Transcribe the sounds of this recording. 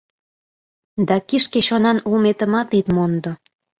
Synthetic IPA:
d̪ɑkiʃkeɕonɑnulmet̪əmɑt̪it̪mond̪o

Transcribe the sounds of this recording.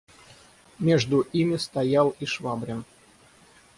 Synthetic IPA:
mʲeʐd̪ʊʔimʲɪst̪ɐjalˠiʂvabɾʲɪn

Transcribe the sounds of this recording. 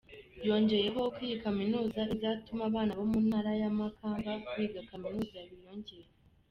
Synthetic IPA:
jo̞ːɲɟe̞je̞ɦo̞kwiːjikaminuːzaizatumaβaːnaβo̞munaːɾajamakʰaːŋɡakuiːbɡakaminuːzajaβiɾo̞ːɲɟeje

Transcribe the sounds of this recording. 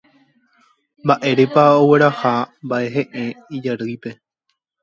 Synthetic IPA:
mbaʔe̞ɾepaowe̞ɾahambaʔe̞ɦẽ̞ʔẽid͡ʒaɾɨjpe̞

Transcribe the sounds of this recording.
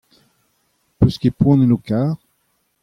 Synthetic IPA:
pøskepwɔ̃nenokaːʁ

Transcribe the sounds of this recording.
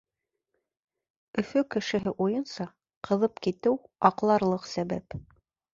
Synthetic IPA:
ɵ̆fɵkɘ̆ʃɘ̆ɦɘʔujɤnsɑ | qɤ̆ðɤpkit̪ɘwɑqlˠɑɾlˠɤqsæβæp

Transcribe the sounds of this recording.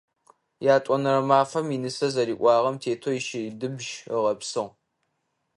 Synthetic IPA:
jaːtʷʼɔnɐɾɐmaːfɐminɨsɐzɐɾiːʔʷʼɑːʁɐmtʰeːtʰojiʃɪdɨbʒəʁɐpsɨʁ

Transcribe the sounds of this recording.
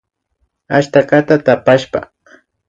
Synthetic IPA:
aʃt̪akat̪at̪apaʃpa̰

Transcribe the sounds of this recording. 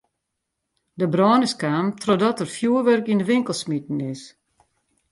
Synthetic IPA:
dəbrɔːnəskaːmtʰrodɔtərfjuəʋørkindəʋɪŋkəl̩ˠsmitn̩ɪs

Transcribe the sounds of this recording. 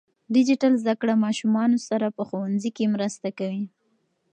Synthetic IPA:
ɖɪd͡ʒɪʈalzd̪akɽamɑʃumɑnosaɾapəxowanzikemɾəst̪akawi

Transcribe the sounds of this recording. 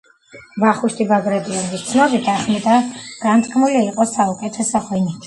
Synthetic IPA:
baχuʃt̪ʰʼibaɡɾɛd̪ʼiɔnbist̪sʰnɔbit̪ʰaχmɛt̪ʼaɡ̥ant̪sʼkʼʰmuliːqʼɔsaukʼɛt̪ʰɛsaχwɛni

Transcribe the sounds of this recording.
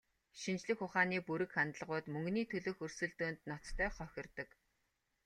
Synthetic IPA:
ʃint͡ɕɮɘ̆xʊχaːniːpuɾɘ̆kχant̪ə̆ɮʁʊːt̪mɵŋɡniːt̪ʰɵɮɵ̆ːxɵrsɵ̆ɮt̪oːnt̪nɔt͡st̪ʰœːχɔxʲɪ̆rt̪ə̆k

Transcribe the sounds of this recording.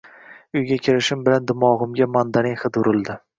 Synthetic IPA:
ʊjɡʲakʲʰɪɾɪʃɪmbɪland̪ʊmɒʁʊmɡʲamand̪anɪŋχɨd̪ʊɾɪlˠd̪ɪ

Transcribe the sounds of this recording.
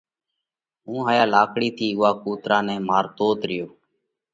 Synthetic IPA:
ɦũːɦaːjaːlaːkɽiːt̪ʰiːʊaːkuːt̪ɾaːnɛ̃ːmaːɾt̪oːt̪ɾɪjoː

